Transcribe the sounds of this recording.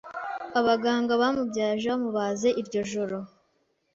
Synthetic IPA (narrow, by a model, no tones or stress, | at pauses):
aβaɡaːŋɡaβamubɟaːʒeβamuβaze̞ʔiɾɟo̞ʒoɾo